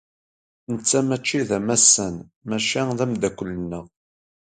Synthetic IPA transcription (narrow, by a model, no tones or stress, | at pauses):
nət͡sːæmæt͡ʃːiðæmæsːən | mæʃæðæmd̪ækʷːələnːəʁ